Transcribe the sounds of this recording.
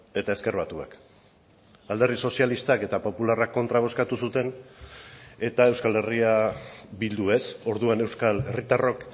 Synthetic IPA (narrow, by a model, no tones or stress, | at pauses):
e̞t̪ae̞ske̞rβat̪ua̰k | ald̪erðiso̞sialist̪ake̞t̪apo̞pularakːo̞nt̪ɾaβ̞o̞skat̪usut̪e̞n | e̞t̪ae̞wskale̞riabild̪ue̞so̞ɾðuane̞wskale̞rit̪aro̞k